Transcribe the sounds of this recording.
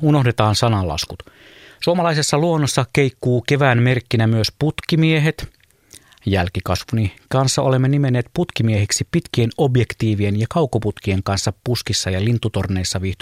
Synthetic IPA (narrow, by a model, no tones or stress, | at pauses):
uno̞ɦdet̪ɑːnsɑnɑlːɑ̰skut̪suomɑlɑisesːɑluonːosːɑkeikːuːke̞ʋæːnme̞rkːinæmyøsput̪kimieɦet̪ | jælkikɑsʋunikɑnsːɑʔo̞le̞mːenimenːeːt̪put̪kimieheksipit̪kie̞nobjekt̪iːʋienjɑkɑukːoput̪kie̞ŋkɑnsːɑppuskisːɑjɑlint̪ːut̪orneːsːɑʋiht̪y